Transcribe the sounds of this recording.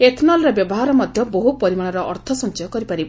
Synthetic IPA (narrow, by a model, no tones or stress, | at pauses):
et̪ʰnɔlɾɔbjɔbɔɦaɾɔmɔd̪ʱjɔboɦupɔɾimaɭ̃ɔɾɔʔɔɾt̪ʰɔsɔnt͡ʃɔjɔkɔɾipaɾibɔ